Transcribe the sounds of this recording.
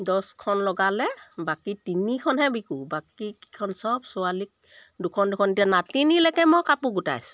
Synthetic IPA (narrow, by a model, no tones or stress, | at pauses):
dɔskʰɔnlɔɡalɛbakitinikʰɔnɦɛbikubakiki̥kʰɔnsɔbsɔalik̚ | dukʰɔndukʰɔntijanatinilɛkɛmɔkapuɡuta̰jsʊ̥